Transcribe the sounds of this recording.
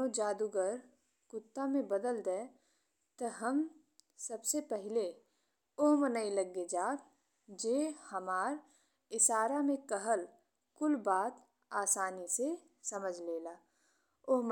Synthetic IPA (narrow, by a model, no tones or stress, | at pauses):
od͡ʒaːd̪uɡəɾ | kʊt̪ːamẽbəd̪əld̪ɛː | t̪ɐɦəm | sɐbsepɛɦɪle | ʊɦmənəiləɡːed͡ʒaːk | d͡ʒeːhəmaːɾ | ɪʃaːɾamẽkəɦəl | kʊlbaːt̪ | aːsaːnise | sɐməd͡ʒʱleːlaː | ʊɦm